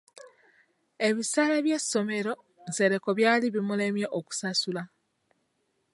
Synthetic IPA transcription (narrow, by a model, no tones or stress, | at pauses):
e̞βisaːlaβje̞sːo̞me̞ɾo̞ | nze̞ɾe̞ko̞βjaːliβimule̞mjeʔoku̥sasula